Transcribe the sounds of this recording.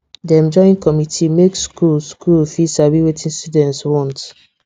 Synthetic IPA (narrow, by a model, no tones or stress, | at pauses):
diɛ̃md͡ʒɔĩnkɔmitʰimekskulskulfisabiwetʰĩnstudɛ̃ntswɔ̃nt